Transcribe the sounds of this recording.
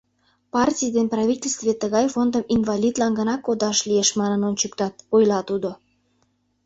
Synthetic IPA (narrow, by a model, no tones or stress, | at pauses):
pɑrtʲijd̪enprɑvʲitʲelʲst̪vet̪əɣɑjfond̪əminvɑlʲid̪lɑnɡənɑkod̪ɑʃlijeʃmɑnənont͡ɕəkt̪ɑt̪̚ojlɑt̪ud̪o